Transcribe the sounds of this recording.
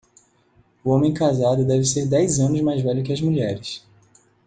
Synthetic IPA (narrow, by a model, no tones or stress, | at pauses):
ʊõmẽj̃kazad̪ʊd̪ɛvɪseɾd̪ɛjzɐ̃nʊzmajzvɛʎʊkɪɐzmuʎɛɾɪs